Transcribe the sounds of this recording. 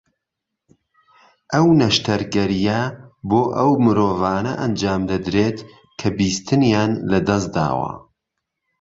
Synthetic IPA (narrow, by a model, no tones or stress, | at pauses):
ʔɐwnɐʃt̪ʰɐɾɡɐɾijɐboːʔɐwmɨɾoːvaːnɐ̰ʔɐnd͡ʒaːmd̪ɐd̪ɾeːt̪ | kʰɐbiːst̪ʰɨnjaːnlɐd̪ɐs̬d̪a̰ːwɐ̰